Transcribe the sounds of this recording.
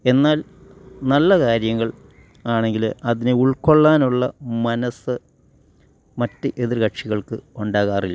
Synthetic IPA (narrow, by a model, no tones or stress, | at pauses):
e̞nːaːl | nɐlːɐkaːɾjɐŋːɐɭ | aːɳe̞ŋɡilɐðinɨuɭko̞ɭːaːnuɭːɐmɐnɐsɨ | mɐtːɨʔe̞ðirkɐʈʂiɣɐɭkɨoɳɖaːɣaːrilːɐ